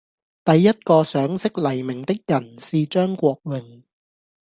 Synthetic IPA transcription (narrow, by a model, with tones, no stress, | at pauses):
t̪ɐ˨jːɐ˥t̚kɔː˧sœː˨˥ŋsɪ˥k̚lɐ˨˩jmɪ˨˩ŋt̪ɪ˥k̚jɐ˨˩nsiː˨t͡ʃœː˥ŋkʷɔː˧k̚wɪ˨ŋ